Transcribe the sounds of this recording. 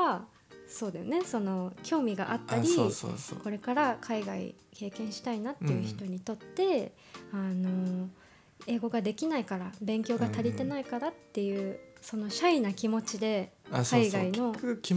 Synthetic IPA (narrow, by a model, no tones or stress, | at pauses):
a | so̞ːd̪e̞sɨne̞so̞no̞kʲʰo̞ːmʲiɡa̰ʔat̪ːaɾʲisko̞ɾe̞kaɾakʰaiɡaḭ | ke̞ːkẽ̞ɰ̃ɕi̥t̪ainat̪ːe̞jɯ̟çi̥t̪o̞ɲ̟it̪o̞t̪ːe̞ | ano̞ | e̞ːɡo̞ɡad̪e̞kʲinaikaɾabẽ̞ŋkʲo̞ːɡat̪aɾʲit̪e̞naikaɾat̪ːe̞jɯ̟ːso̞no̞ɕainakʲimo̞t͡ɕid̪e̞kaiɡaino̞